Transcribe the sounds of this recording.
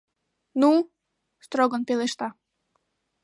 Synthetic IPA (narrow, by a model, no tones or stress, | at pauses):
nu | st̪ɾoɡɔnpeleʃt̪ɑ